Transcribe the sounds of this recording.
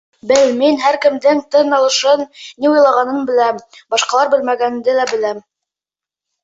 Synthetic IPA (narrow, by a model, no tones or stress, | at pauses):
bɘlminɦæɾkɘ̆md̪ɘŋt̪ɤnːɑlˠɤ̆ʃɤnnːiujlˠɑʁɑnɤnbɘ̆læmbɑʃqɑlˠɑɾbɘ̆lmæɡænd̪ɘlæbɘ̆læm